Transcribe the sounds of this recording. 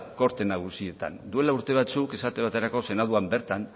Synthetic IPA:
ko̞ɾt̪e̞naɣ̞usie̞t̪a̰nd̪ue̞lauɾt̪e̞β̞at͡sukesat̪e̞β̞at̪e̞ɾako̞se̞naðuambe̞ɾt̪an

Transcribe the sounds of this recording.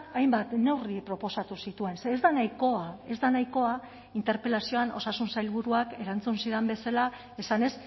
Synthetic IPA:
ajmbat̪ne̞wripɾo̞po̞sat̪usit̪ue̞nsːzd̪anajko̞ae̞zd̪anajko̞a | int̪e̞ɾpe̞lasio̞ano̞sasunsajlβ̞uɾuake̞ɾant͡sunsiðe̞mbe̞sala | e̞sane̞s

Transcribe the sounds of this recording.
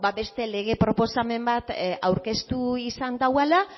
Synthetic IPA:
baβe̞st̪e̞le̞ɣ̞e̞pɾo̞po̞same̞mbat̪awɾke̞st̪uisand̪awala

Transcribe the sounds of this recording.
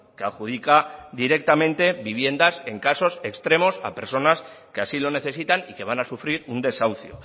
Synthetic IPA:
keaxuð̞ikaðiɾe̞k̚t̪amẽ̞nt̪e̞βiβ̞je̞nd̪ase̞ŋkaso̞sekst̪ɾe̞mo̞sa̰pe̞̰ɾso̞nas | ke̞asilo̞ne̞θe̞s̬it̪anike̞βanasufɾiɾund̪e̞sawθjo̰

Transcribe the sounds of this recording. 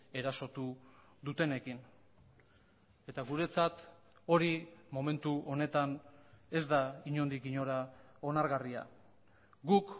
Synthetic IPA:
e̞ɾaso̞t̪u | ðut̪e̞ne̞kin | e̞t̪aɣuɾe̞t͡sat̪ | o̞ɾimo̞me̞nt̪uʔo̞ne̞t̪ane̞zd̪aiɲo̞nd̪iɣiɲo̞ɾao̞naɾɣaria̰ | ɡuk

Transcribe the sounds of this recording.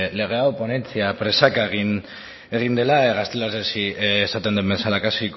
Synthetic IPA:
le̞ɣ̞e̞awpo̞ne̞nt͡siapɾe̞sakaeɣ̞in | e̞ɣ̞ind̪e̞laeɣast̪elaɾesiːsat̪e̞nd̪embe̞salakasik

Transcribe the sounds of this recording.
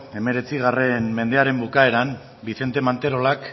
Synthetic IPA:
e̞me̞ɾe̞t͡siɣ̞are̞nme̞nd̪e̞aɾe̞mbukae̞ɾan | biθe̞nt̪e̞mant̪e̞ɾo̞lak

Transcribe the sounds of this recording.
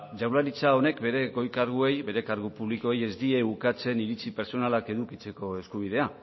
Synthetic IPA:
ʝawlaɾit͡sao̞ne̞kbe̞ɾe̞ɣo̞jkaɾɣue̞jbe̞ɾekaɾɣupuβliko̞eje̞zd̪ie̞ukat͡se̞niɾit͡sipe̞ɾso̞nalake̞ðukit͡se̞ko̞e̞skuβ̞iðe̞a

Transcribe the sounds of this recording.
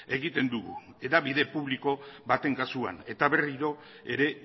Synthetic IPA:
e̞ɣit̪e̞nd̪uɣṵ | eðaβiðe̞puβliko̞bat̪e̞ŋkasua̰ne̞t̪aβe̞riɾo̞ | e̞ɾe̞

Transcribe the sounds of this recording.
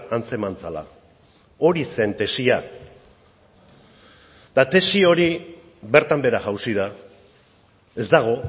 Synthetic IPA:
ant͡se̞mant͡sala̰ | o̞ɾise̞nt̪e̞sia | d̪̥at̪e̞sio̞ɾi | βe̞ɾt̪ambe̞ɾaʝawsiða | e̞zd̪aɣ̞o̞

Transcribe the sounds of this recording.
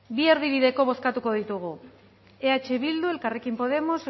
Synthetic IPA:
bie̞ɾðiβiðe̞ko̞β̞o̞skat̪uko̞ð̞it̪uɣ̞u | eat͡ʃe̞βild̪ue̞lkare̞kimpo̞ð̞e̞mos

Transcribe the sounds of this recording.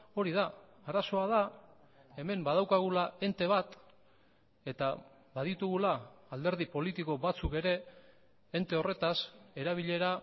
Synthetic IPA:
o̞ɾiða | aɾaso̞aða | e̞me̞mbað̞awkaɣ̞ulae̞nt̪e̞β̞at̪ | e̞t̪a | βaðit̪uɣulaːld̪e̞ɾð̞ipo̞lit̪iko̞βat͡suke̞ɾe̞ː | nt̪e̞o̞re̞t̪ase̞ɾaβ̞iʎe̞ɾa

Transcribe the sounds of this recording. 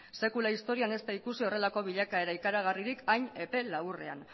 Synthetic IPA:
se̞kulaist̪o̞ɾiane̞st̪aikusio̞re̞lako̞β̞iʎakae̞ɾaikaɾaɣ̞ariɾikʰajɲe̞pe̞lawre̞̰a̰n

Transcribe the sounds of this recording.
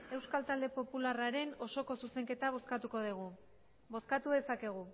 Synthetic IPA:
e̞wskalt̪ald̪e̞po̞pularaɾe̞no̞so̞ko̞suse̞ŋke̞t̪aβ̞o̞skat̪uko̞ð̞iɣ̞u | bo̞skat̪uðe̞sake̞ɣ̞u

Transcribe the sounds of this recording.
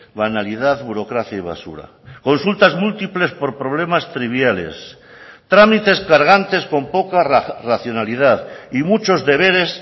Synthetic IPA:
βanaliðaðβuɾo̞kɾaθjaiβ̞a̰sṵɾa̰ | ko̞nsult̪azmult̪iple̞spo̞ɾpɾo̞βle̞mast̪ɾiβ̞jale̞̰s | t̪ɾamit̪e̞skaɾɣ̞ant̪e̞sko̞mpo̞karaθjo̞nalið̞aðimut͡ʃo̞zðe̞βe̞ɾe̞s

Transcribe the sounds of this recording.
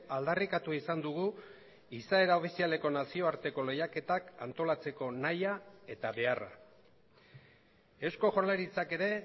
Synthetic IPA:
ald̪arikat̪uisand̪uɣ̞u | isaeɾao̞fisiale̞ko̞nasio̞aɾt̪e̞ko̞le̞jake̞t̪aka̰nt̪o̞lat͡se̞ko̞najae̞t̪aβe̞ara̰ | e̞sko̞ʝo̞ɾleɾit͡sake̞ɾe̞

